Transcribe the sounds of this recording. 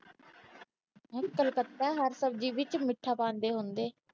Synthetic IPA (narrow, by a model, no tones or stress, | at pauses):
ɛ̃ːkəlkət̪ːaːɦəɾsəb̚d͡ʒiːʋɪt͡ʃmɪʈʰːaːpãːnd̪eːɦʊnd̪eː